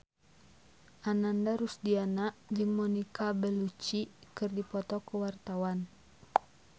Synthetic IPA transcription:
ʔanandaɾusdianaʔd͡ʒɨŋmɔnikabɛlut͡ʃikɨrdipɔt̪ɔkəwart̪awan

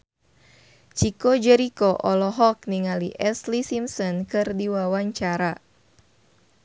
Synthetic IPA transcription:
t͡ʃikod͡ʒɛɾikɔʔɔlɔɦɔk̚niŋaliʔɛslisimsɔnkɨrdiwawaɲt͡ʃaɾa

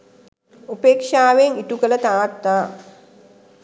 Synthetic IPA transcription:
upeːkʂaːʋeŋiʈukələt̪aːt̪naː

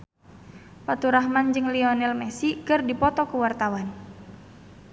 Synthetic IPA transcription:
pat̪uɾaɦmand͡ʒɨŋliɔnɛlmɛsikɨrdipɔt̪ɔkəwart̪awan

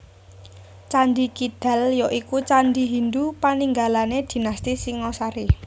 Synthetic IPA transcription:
t͡ʃand̪ikid̪̥a̤ljɔʔikut͡ʃand̪iɦind̪upaniŋɡalaned̪̥i̤nast̪isiŋɔsaɾi

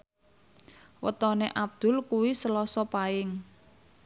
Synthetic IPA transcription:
wə̰t̪ɔneʔab̚d̪̥ʊ̤lkuwisəlɔsɔpaɪŋ

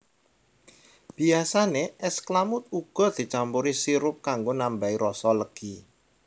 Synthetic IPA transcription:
b̥i̤asaneʔɛsklamʊt̪̚uɡ̥ɔ̤d̪̥i̤t͡ʃampuɾisiɾʊp̚kaŋɡonambaiɾɔsɔləɡ̥i

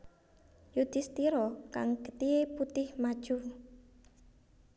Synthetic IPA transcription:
jud̪̥ɪ̤st̪iɾɔkaŋɡət̪ieput̪ɪhmad̥ʒ̥u

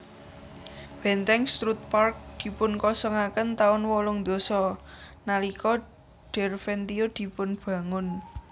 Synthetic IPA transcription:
b̥ɛ̤nt̪ɛŋst̪ɾut̪̚park̚d̪̥i̤pʊnkɔsəŋakənt̪aʊnwɔlʊŋd̪̥o̤sɔnalikɔ | ɖ̥ɛ̤rfɛnt̪iod̪̥i̤pʊnb̥a̤ŋʊn

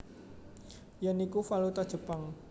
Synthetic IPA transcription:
janikufalut̪ad̥ʒ̥ə̤paŋ

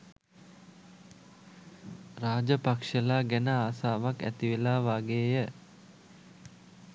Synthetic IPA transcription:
raːd͡ʒəpakʂəlaːɡænəaːsaːʋakæ̰t̪iʋelaːʋaːɡeːjə

